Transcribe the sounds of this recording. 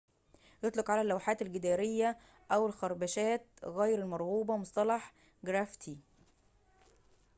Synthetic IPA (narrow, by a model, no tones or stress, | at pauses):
jet̪ˤloqʕalælːæwħaːt̪ælɡɪd̪æːɾɪjːæ | ʔæwɪlxɑɾˤbæʃæːt̪̚ɣæjɾɪlmɑɾˤɣuːbɑmosˤt̪ˤɑlɑħ | ɡɾæft̪ʰi